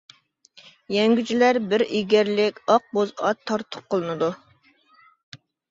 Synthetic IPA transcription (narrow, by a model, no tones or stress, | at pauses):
jɛŋɡʲyt͡ʃʰilæɾbɪɾiɡʲɛɾlɪkʲɑq̚bozɑt̪ʰːɑɾt̪ʰʊ̥p̚qəlˠɨnɨd̪u